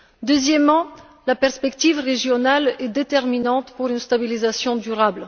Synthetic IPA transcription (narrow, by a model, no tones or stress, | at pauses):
d̪əzjɛmːɑ̃ | lapɛʁspɛkt̪ivʁeʒjɔnalɛd̪et̪ɛʁminɑ̃t̪puʁynst̪abilizasjɔ̃d̪yʁabl